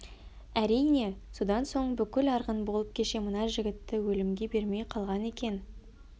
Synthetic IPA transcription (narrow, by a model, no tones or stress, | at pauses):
æɾijne̞so̞d̪ɑnso̞ɴbʏkʲɪlɑɾʁənbo̞lˠəp̚kʲʰe̞ʃe̞mənɑʒɪɡʲɪt̪ːɪwɵlɪmɡʲe̞be̞ɾme̞jqʰɑlˠʁɑne̞kʲe̞n